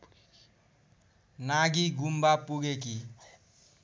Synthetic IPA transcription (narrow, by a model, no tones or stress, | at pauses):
naɡiɡʱumbapuɡek̬i